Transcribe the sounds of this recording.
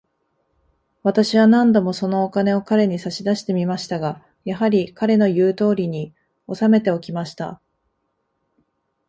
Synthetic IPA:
βat̪aɕiβanãnd̪o̞mo̞so̞no̞ːkane̞o̞kaɾe̞ɲ̟isaɕid̪aɕi̥t̪e̞mʲimaɕi̥t̪aɡa | jaɦaɾʲikaɾe̞no̞jɯ̟ːt̪o̞ːɾʲiɲ̟i | o̞same̞t̪e̞o̞kʲimaɕi̥t̪a̰

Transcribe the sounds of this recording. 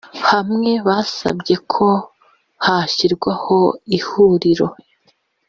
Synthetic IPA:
hamŋe̞βasa̰bɟe̞kʰo | haçiɾɡwaho̞ihuɾiɾo̞

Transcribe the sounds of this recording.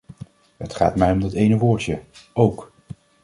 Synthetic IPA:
ɦətχa̰ːtmɛjɔmdɑtejnəʋʊːɹtəowk

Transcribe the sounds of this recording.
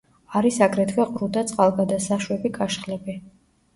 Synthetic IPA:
aɾisaɡɾɛd̪ɡɛqʼɾud̪at̪sʼqʼalˠɡad̪asaʃwɛbikʼaʃχlɛbi

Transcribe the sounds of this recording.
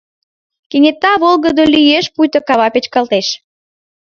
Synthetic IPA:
keŋet̪ːɑβolɣəd̪olyjeʃpujt̪ə̆kɑβɑpet͡ɕkɑlt̪eʃ

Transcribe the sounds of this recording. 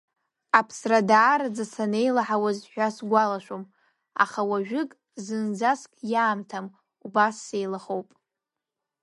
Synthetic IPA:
apʰsradaːɾad͡zasane̞jlaħawazħʷᶣasɡʷalaʃʷᶣom | a̰χawaʒᶣʊkʼ | zɨnd͡zaskʼjaːmtʰam | ubasːe̞jlaχo̞wpʼ

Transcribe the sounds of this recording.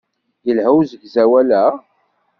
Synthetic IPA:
jəlhəwzəɡzæwælæ

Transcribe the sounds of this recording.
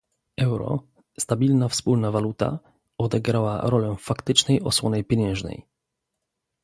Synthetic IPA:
ɛwɾɔ̰ | st̪abʲilnafspulnavalut̪a̰ | ɔd̪ɛɡɾawa̰ɾɔlɛfakt̪ɘt͡ʂnɛjɔswɔnɛjpʲjɛɲɛ̃w̃ʐnɛ̰j

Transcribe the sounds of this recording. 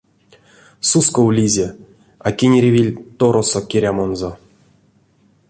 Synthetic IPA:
suskowlʲizʲe | akʲinʲɾʲevʲilʲt̪oɾosokʲeɾʲamonzo

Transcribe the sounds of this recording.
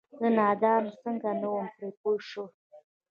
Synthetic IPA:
d̪ənɑd̪ɑnsəŋɡanawəmpɾepoʃo

